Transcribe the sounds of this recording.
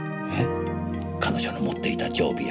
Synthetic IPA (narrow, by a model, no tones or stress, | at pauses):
he | kʰano̞ʑonomo̞t̪ːe̞it̪ad͡ʑo̞̰ːbʲija